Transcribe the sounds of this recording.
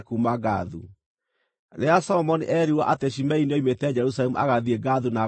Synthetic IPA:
kumaɡa̰ðṵ | ɾeasɔmɔniʔɛɾiwaʔateʃ̬imɛinɔimetɛd͡ʒɛɾus̬alɛmuʔa̰ɣaðieɡaðuna

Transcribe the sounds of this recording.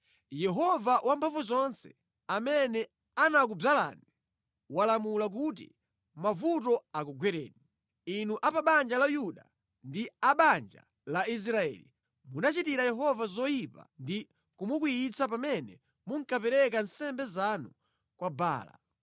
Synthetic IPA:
jɛɦɔvawʔampʰaɱvuzɔnsɛ̥̰ | amɛnɛ | anak̬ub͡ʐala̰ni | walamulak̬ut̬ḭ | mavutɔakɔɡwɛɾɛ̰ːɗi | inuʔapaɓand͡ʒalajuɗa | ndiaɓand͡ʒa̰ | lais̬ɾaɛ̰ːli | munat͡ʃitiɾajɛɦɔvazɔjipa̰ndi | kumukwiit͡sapamɛnɛ | muŋkapɛɾɛk̬an̩sɛmbɛzanu | kwaba̰ːla̰

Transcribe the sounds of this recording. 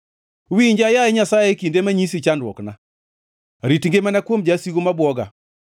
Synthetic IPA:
wiɲd͡ʒajaeɲasajekindemaɲisit͡ʃandwɔkna | ɾitiŋɡemanakwomd͡ʒasiɡomabwɔɡa̰

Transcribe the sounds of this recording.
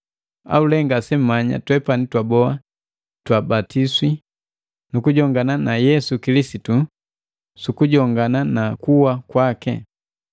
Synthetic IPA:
a̰ulɛŋɡasɛm̩maɲa̰twɛpanitwabɔa | twabatiswi | nukuɟɔŋɡananajɛsukilisitu | sukuɟɔŋɡananakuwakwakɛ̰

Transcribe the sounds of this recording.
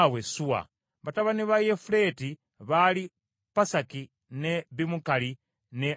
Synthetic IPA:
wesuwa̰ | βataβaniβajefule̞ti | βali | pasaki | neβimukali | ne

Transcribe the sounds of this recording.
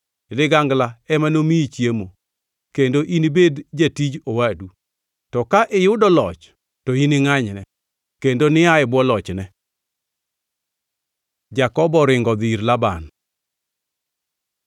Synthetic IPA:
lɪɡaŋɡlaɛmanomiit͡ʃjemo | kendoʔinibedd͡ʒatid͡ʒowadu | tɔkaʔɪjʊdɔlɔt͡ʃ | toinɪŋaɲnɛ | kendonɪaɪbwɔlɔt͡ʃnɛ | d͡ʒakɔbɔɾɪŋɡɔd̪iɾlaban

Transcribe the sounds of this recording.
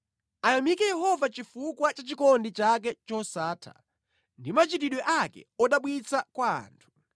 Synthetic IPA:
ajamikɛjɛhɔvat͡ʃifukwat͡ʃat͡ʃikɔndit͡ʃak̬ɛt͡ʃɔsaːtʰa̰ | ndimat͡ʃitiɗwɛʔakɛ̰ɔɗaɓwit͡sʰakwa̰ːntʰu̥

